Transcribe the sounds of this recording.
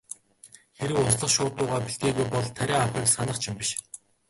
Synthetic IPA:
xeɾɘ̆wʊsɮə̆χʃʊːt̪ʊːʁaːpiɬt̪̚ɡeːɣujpɔɮt̪ʰːæɾʲæːaxʲæːksanə̆χt͡ɕʰɪmpiʃ

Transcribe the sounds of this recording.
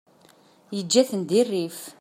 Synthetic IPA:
jəd͡ʒːæθənd̪irːif

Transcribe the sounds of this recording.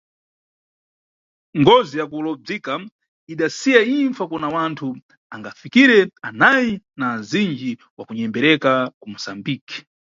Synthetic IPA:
ŋɡɔzijakulɔb͡ʐika | iɗasijaiɱfakɔnawantʰu | aŋɡafikiɾɛanajinaːzind͡ʒi | wa̰kuɲɛmbɛɾɛkakumusambiːki̥

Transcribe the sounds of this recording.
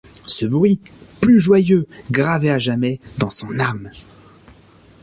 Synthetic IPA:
səbʁɥiplyʒwajøɡʁaveaʒamɛd̪ɑ̃sɔ̃nam

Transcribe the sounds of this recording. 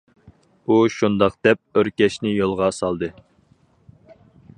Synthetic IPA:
uʃund̪ɑqd̪̥ɛp̚øɾkʲɛʃnɪjolˠʁɑsɑlˠd̪ɨ

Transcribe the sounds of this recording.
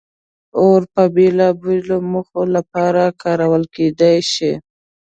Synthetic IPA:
oɾpəbelabiloməxolapɑɾakɑɾawəlked̪ajʃi

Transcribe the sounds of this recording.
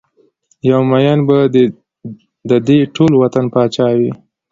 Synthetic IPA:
jawmajanba | d̪əd̪eʈʰolwat̪anpɑt͡ʃɑwi

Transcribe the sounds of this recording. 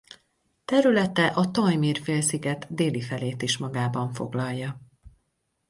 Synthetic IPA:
t̪ɛɾylɛt̪ɛʔɒt̪ɒjmiːrfeːlsiɡɛt̪d̪eːlifɛleːt̪iʃmɒɡaːbɒɱfo̞̰ɡlɒlːɒ

